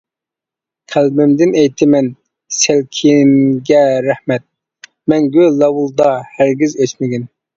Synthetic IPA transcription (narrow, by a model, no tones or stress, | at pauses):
qʰælbɪmd̪ɪnɛjt̪ʰɪmɛn | sælkʲʰiŋɡʲɛɾæhmɛt̪̚ | mɛnɡʲølɑwulˠd̪ɑhæɾɡʲizøt͡ʃmɪɡʲin